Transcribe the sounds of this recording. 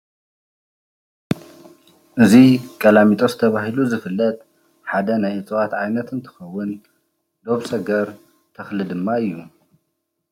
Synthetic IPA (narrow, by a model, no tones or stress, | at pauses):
ʔɨzikʼɐlamit̪ʼozɨt̪ʰɐβaɦiluzɨfɨlːɐt̪ʼ | ħad̪ɐnajʔɨt͡sʼɨwat̪ʕajnɐt̪ʰɨnt̪ʰɨ̥xɐwːʊn | d̪o̞βsɐɡɐɾ | t̪ʰɐxlɨd̪ɨmːaɨjːu